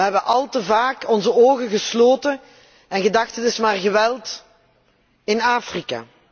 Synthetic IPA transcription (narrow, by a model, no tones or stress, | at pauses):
əɦɛbəʔɑlˠtəvaːkɔnzəoːɣəɣəsloːtən | ɛnɣədɑxtətɪsmaːrɣəʋɛlˠt | ɪnaːfrika̰ː